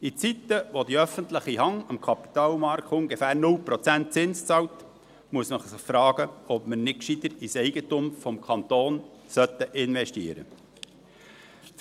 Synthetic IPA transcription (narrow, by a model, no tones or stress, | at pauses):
it͡sit̪ːəʋod̪iœfənt̪ləχiɦɑŋɑmkʰɑpi̥t̪ɑːlmɑɾkʰtʊŋɡəfæːɾnʊlpɾɔt͡sænt̚t͡sɪnst͡sɑwt | muəsnəχsɪχfɾɑːɡ̥əɔpmənɪkʃid̪əɾisɛɪɡət̪ʊmfɔmkʰɑnt̪oːnsœt̪ːəʔɪnʋɛʃtiəɾə̰